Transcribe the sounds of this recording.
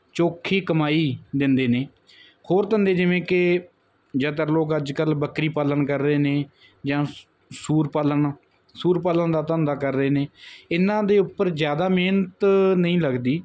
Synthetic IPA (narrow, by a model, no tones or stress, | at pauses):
t͡ʃoːkʰiːkəmaːiːd̪ɪnd̪eːneː | hoːɾt̪ənd̪eːd͡ʒɪʋẽːke | d͡ʒət̪̬əɾloːkəd͡ʒkəlbəkɾiːpaːləɳkəɾːeːneː | d͡ʒãː | suːɾpalən | suːɾpaːləɳd̪aːt̪ənd̪aːkəɾːeːneːɪnãːd̪eːʊpːəɾzjaːd̪aːmeːnət̪nəĩːləɡd̪iː